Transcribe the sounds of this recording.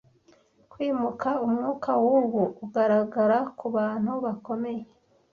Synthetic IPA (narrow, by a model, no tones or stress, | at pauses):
kwiːmukʰaumŋuːkʰawuɡuːɡaɾaɡaɾakuβaːn̥huβako̞me̞je